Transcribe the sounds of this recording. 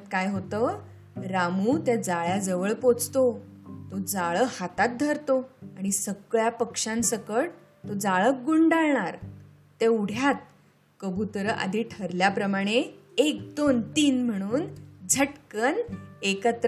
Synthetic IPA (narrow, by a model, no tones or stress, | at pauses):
t̪kajɦot̪ə | ɾamuːt̪jad͡zaɭjad͡zəʋəɭpot͡st̪ot̪od͡zaɭəhat̪at̪̚d̪ʱəɾt̪oaɽ̃isəɡɭjapəkʂãnsəkəɽ | t̪od͡zaɭək̚ɡuɳɖaɭɳaɾ | t̪euɽ̤jat̪̚ | kəbʱut̪əɾəʔa̰d̪ʱiʈʰəɾljapɾəmaɽ̃e | ek̚d̪ont̪iːnm̤əɽ̃uːnd͡zʱəʈkənekət̪